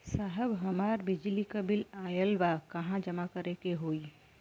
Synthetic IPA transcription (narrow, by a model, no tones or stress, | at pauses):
saːɦəbɦəmaːɾbɪd͡ʒlikəbɪlaːjəlʋakɐɦãd͡ʒəmakəɾekeɦoːi